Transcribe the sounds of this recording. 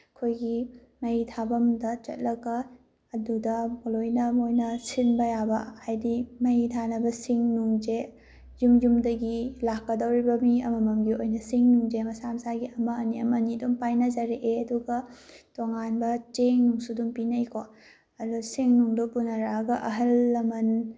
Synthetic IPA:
kʰojɡi | mɐjitʰabɐmdɐt͡ʃɐ̰t̚lɐkːɐː | dudɐmolojnɐmojnɐsinbɐjabɐhajdimɐjitʰanɐbɐsiŋnuŋd͡ʒe | jumd͡ʒumdɐɡilakːɐdɐwɾibɐmiɐmɐmɐmɡiojnɐsiŋnuŋd͡ʒemɐsamsaɡiɐmɐːniɐmɐnidumpajnɐzɐɾeʔeɐduɡɐtoŋanbɐt͡ʃeŋnuŋsudumpinɐjkʰo | ɐdusiŋnuŋdupunɐɾaɡɐʔɐɦɐlːɐmɐn

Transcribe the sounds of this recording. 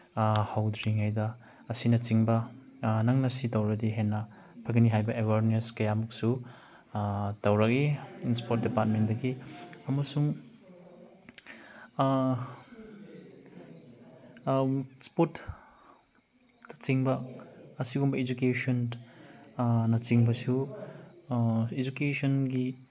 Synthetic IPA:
hawdɾiŋajdɐ | ɐsinɐt͡ʃiŋbɐ | nɐŋnɐsitɐwɾɐdiɦenːɐ | pʰɐɡɐniɦajbɐʔewaɾneskɐjamuk̚su | tɐwɾɐk̚iinspʰot̚dipat̚mendɐɡiɐmɐsuŋ | spot | dɐ̥t͡ʃiŋbɐːsiɡumbɐid͡ʒukeson | nɐt͡ʃiŋbɐsiw | id͡ʒukesɔnɡi

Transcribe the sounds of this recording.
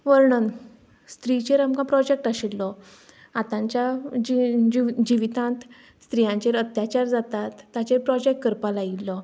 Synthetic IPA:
ʋəɾɳən | st̪ɾit͡ɕeɾamkãpɾɔd͡ʑek̚ʈaɕilːɔ | at̪ãɲt͡ɕjad͡ʑiid͡ʑiʋit̪ãnt̪ | st̪ɾijãɲt͡ɕeɾət̪jat͡ɕaɾd͡zat̪at̪ːjat͡ɕeɾpɾɔd͡ʑek̚ʈkəɾpalailːɔ

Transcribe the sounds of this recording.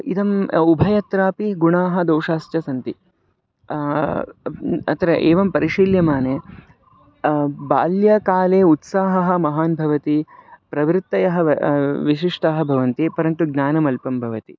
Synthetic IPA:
id̪ɐmubʱɐjɐt̪ɾaːpiɡuɳaːɦɐ̆d̪ɐwʂaːst̪jɐsɐnt̪i | ɐ̰t̪ɐɾɐʔeːʋɐmpɐɾiʂiːljɐmaːneː | baːljɐkaːleːut̪saːɦɐɦɐ̆mɐɦaːnbʱɐʋɐt̪ipɾɐʋɾt̪ːɐjɐɦɐ̆ʋiʃiʂʈɐɦɐ̆bʱɐʋɐnt̪ipɐɾɐnt̪uɡnaːnɐmɐlpɐmbʱɐʋɐt̪i

